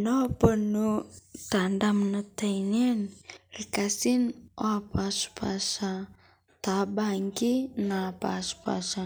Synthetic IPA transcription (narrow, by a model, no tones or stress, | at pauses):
nopənut̪andamnat̪ajnenrikasinoapasu̥pasa | t̪abaŋɡinapa̰spa̰sa